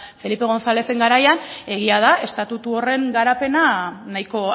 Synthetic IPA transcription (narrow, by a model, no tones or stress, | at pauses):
fe̞lipe̞ɣ̞o̞nsale̞se̞ŋɡaɾajane̞ɣ̞iað̞ae̞st̪at̪ut̪uo̞re̞ŋɡaɾape̞nanajko̞